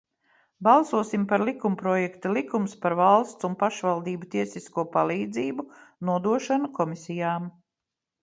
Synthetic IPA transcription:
balˠsuɔsimpaɾlikumpɾɔjɛkt̪alˠikumspaɾvalˠst̪sunpaʃvalˠd̪iːbut̪iɛsiskuɔpalˠiːd̪ziːbunuɔd̪uɔʃanukɔmisijaːm

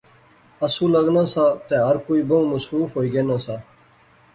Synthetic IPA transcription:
əsũːləɡnãːsaːt̪eːɦəɾkoːiːbəũːməsɾuːfɦoːiːɡeːnãːsaː

